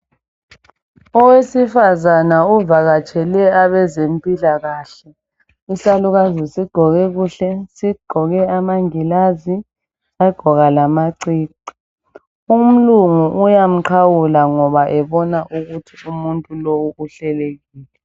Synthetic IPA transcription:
ɔwesifazanauvaɣat͡ʃʼʰɛlɛaβɛzempʼilaɣaːɬɛ | isaluɣazisiɡ͡ǃʱɔɣɛɣuːɬɛsiɡ͡ǃʱɔɣɛamaŋilazi | saɡ͡ǃ̥ʱɔɣalamaǀiːǀi̥ | um̩luŋuʔujam̩ǀʰawulaŋɔβaʔɛβɔnaʔuɣutʰiumuntʼulowuuɬɛleɣiːlɛ

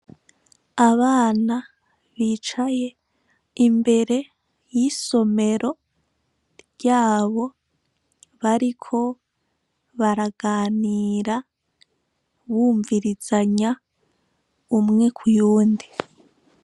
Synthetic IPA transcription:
aβaːna | βiːt͡ʃaje̞ | imbe̞ɾe̞ | jiso̞me̞ɾo̞ | ɾɟaːβo̞ | βaɾikʰo̞ | βaɾaɡaːniːɾa | βuːɱviɾizaɲa | umŋe̞kʰujuːndi

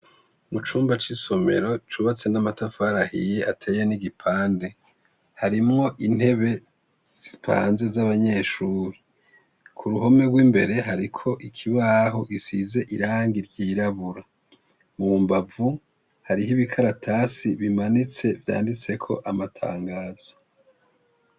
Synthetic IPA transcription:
mut͡ʃuːmbat͡ʃiso̞me̞̰ɾo̞t͡ʃuβat͡se̞namatafaːɾahḭjeʔatʰeːjeniɡipʰaːnde̞ | haɾimŋo̞ʔin̥he̞βe | z̥i̥pʰa̰ːnze̞zaβaɲe̞ːʃuːɾi | kʰuɾuɦo̞me̞ɡwiːmbe̞ɾe̞ɦaɾikʰo̞ʔikʰiβaːɦo̞ɡisize̞ʔiɾaːŋɡiɾɟiːɾaβuɾa | mumbavu | haɾiɦiβikʰaɾatʰaːsiβimanit͡se̞vja̰ːndit͡se̞kʰo̞ʔamatʰa̰ːŋɡaːz̥o̥

